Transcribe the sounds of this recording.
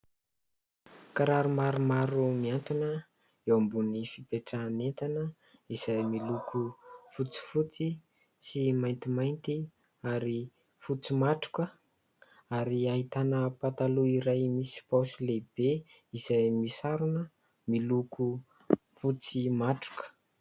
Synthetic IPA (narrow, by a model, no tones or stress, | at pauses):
kaɾaɾumaɾumaɾumiant̪unə | ewambunifipeʈ͡ʂaːnent̪anə | iz̥ajmilukʰufut͡si̥fut͡si | simajnt̪imajnt̪i | aɾi | fut͡simaʈ͡ʂu̥kə | aɾiaɦit̪anəpat̪aluiɾajmisi̥pawsileb̥e | iz̥ajmisaɾunə | milukʰu | fut͡simaʈ͡ʂu̥kə̥